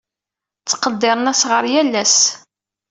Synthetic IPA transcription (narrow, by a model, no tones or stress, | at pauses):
t͡sːqːəd̪ːɪɾˤənæsʁəɾjælːæs